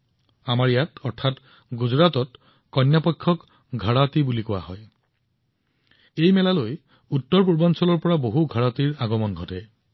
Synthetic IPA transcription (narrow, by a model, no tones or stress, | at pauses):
amaɹijatɔɹtʰat | ɡuzɹatɔt | kɔnjapɔjkʰːɔk | ɡʱaɹatibulikɔwa̰hɔj | ejmɛlaloj | utːɔɹp̬uɹbansɔlɔɹpɔɹaboɦuɡʱaɹatiɹaɡɔmɔnɡʱɔtɛ